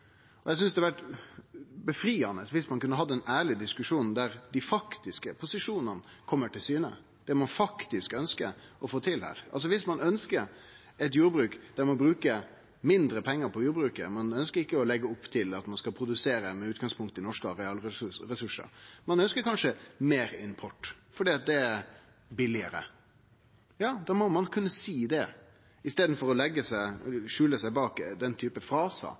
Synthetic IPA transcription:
ɔjɛs̬ʏnsd̪ɛʋæʈ | bəfɾiːɑnəsʋɪsmɑnkʉnːəɦɑd̪ːəɛnæːɭɪd̪ɪskʉʂuːnn̩d̪æɾd̪ɪfɑkt̪ɪskəpʰʊsɪʂuːnɑn | kʰɔmːəʈʰɪlsyːnə̰ | d̪̥ɛmɑnfɑkt̪ɪskœnskəɾɔfoːt̪ʰɪlhæ̰ːɾɑ̰ls̬ɔʋɪsmɑnœnskəɾ | ɛt̪juːɾbɾʉːkd̪̥æɾmɔbɾʉːkə | mɪnd̪ɾəpʰɛŋːəɾpʰɔjuːɾbɾʉːkə̰mɑnœnskəɾɪkːəɔlɛɡːəʊpːt̪ʰɪlɑt̪mɑnskɑlpʰɾʊd̪ʉseːɾəmɛʉːt̪ɡɑŋspʰʊŋkt̪əɪnɔʂkəɾɛɑːlɾɛsʉʂə̰ɾmɑnœnskəɾkʰɑnʂəmeːɾɪnpʰɔʈː | fɔɖiːɑt̪̚d̪ɛæɾ | bɪlɪəɾə̰ | jɑːd̪ɑːmɔmɑnkʰʉnːəsiːd̪ɛ | ɪst̪eːd̪n̩fɔɾɔlɛɡːəsæɪʂʉːləsæɪbɑːkd̪ɛnt̪ʰyːpəfɾɑːsə̰

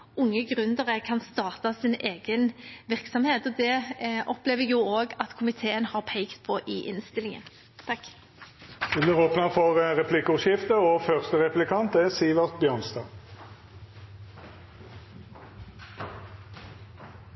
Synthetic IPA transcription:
ʊŋːəɡʁʉnd̪əʁəkʰɑnst̪ɑːʁt̪ɑsineːɡənʋɪʁksɔmheːt̪ɔd̪ɛʔɔpleːʋəjuːoːɡɑt̪kʰʊmɪt̪ʰeːənhɑʁpʰæɪkt̪pʰɔʔɪʔɪnst̪ɪlɪŋə̰n | t̪ʰɑk | d̪̥ɛblɪːʁoːpnəfɔʁʁɛpʰlɪkːʊʃjɪft̪əɔfœʁst̪əʁɛplɪkʰɑnt̪ɛsiːʋɑʁt̪̚bjœːʁnst̪ɑː

